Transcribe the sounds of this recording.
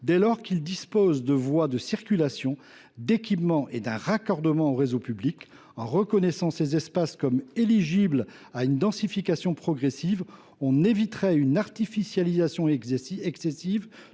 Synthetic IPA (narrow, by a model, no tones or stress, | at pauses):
d̪ɛlɔʁkild̪ispozd̪əvwad̪əsiʁkʲylasjɔ̃ | d̪ekʲipmɑ̃ʔed̪ɛ̃ʁakɔʁd̪əmɑ̃oʁezopyblik | ɑ̃ʁəkɔnɛsɑ̃sezɛspaskɔmeliʒibl | aynd̪ɑ̃sifikasjɔ̃pχɔɡʁesiv | ɔ̃nevit̪χɛynaʁt̪ifisjalizasjɔ̃ɛɛksɛsiv